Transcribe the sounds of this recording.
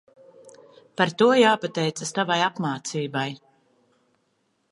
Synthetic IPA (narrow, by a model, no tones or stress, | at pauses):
paɾt̪uɔjaːpat̪ɛjt̪sast̪avajapmaːt̪siːbaj